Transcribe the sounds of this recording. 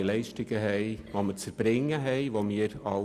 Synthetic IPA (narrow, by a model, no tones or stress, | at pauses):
lɛɪʃtɪɡəɦɛɪʋomət͡səɾb̥ɾɪŋːəɦɛɪʋomɪːəɾɑ